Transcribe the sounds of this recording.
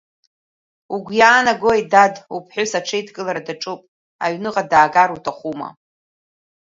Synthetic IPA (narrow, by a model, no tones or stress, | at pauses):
uɡʷjaːnaɡojdadupʰħʷʊsaʈ͡ʂʰejdɡʼɨlaɾadaʈ͡ʂʼupʼ | a̰ɥnɨqʼadaːɡaɾutʰaχʷuma̰